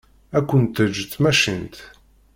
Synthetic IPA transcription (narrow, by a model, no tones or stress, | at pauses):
ækʷːənt̪əd͡ʒt̪ːmæʃint̪